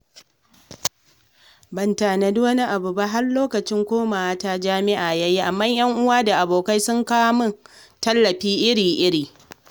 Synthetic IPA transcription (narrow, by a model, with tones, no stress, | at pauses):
bɐ˨ntaː˨na˨du˦wɐ˦ni˦ʔa˨bʊ˨ba˦ɦa˦rloː˦kɐ˨t͡ʃɪ˦ŋkʷoː˦maː˨wa˦ta˦d͡ʒaː˦mɪ˦ʔaː˨jɐ˦jiː˦ʔa˨mːa˦ɲj̰ɐ˦ŋʔʊ˦waː˦da˨ʔa˨boː˨ka˦jsʊ˦ŋkaː˦mʊ˦ntɐ˦lːɐ˨ɸiː˦ʔɪ˦ɽiː˨ʔɪ˦ɽiː˨